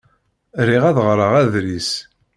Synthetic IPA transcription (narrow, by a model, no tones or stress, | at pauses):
ɾiʁæðʁɾˤəʁæðɾis